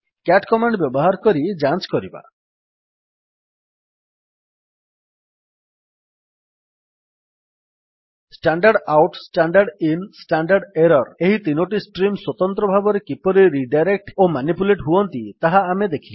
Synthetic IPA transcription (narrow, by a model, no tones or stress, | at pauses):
kaʈkɔmaɳɖbjɔbɔɦaɾkɔɾid͡ʒant͡ʃkɔɾiba̰ | sʈaɳɖaɾɖawʈsʈaɳɖaɾɖinsʈaɳɖaɾɖeɾɔɾeɦit̪inoʈisʈɾimswot̪ɔnt̪ɾɔbʱabɔɾekipɔɾiɾiɖajɾek̚ʈomanipuleʈɦuɔnt̪it̪aɦaːmed̪ekʰile